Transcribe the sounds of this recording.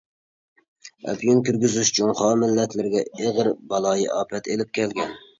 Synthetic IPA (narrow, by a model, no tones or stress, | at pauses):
ɛ̰pʰjunkʲyɾɡʲyzyʃt͡ʃʰunχɑːmɪlːɛt̪ʰlɪɾɡʲɛeʁəɾbɑlˠɑːjiʔɑːpʰɛt̪elɪp̚kʲʰɛlɡʲɛn